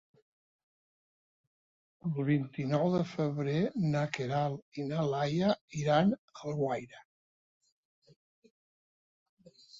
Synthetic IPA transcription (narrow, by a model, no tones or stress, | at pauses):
əlˠβint̪inɔwðəfəβɾenakeɾalˠinalajaiɾanəlɣwajɾə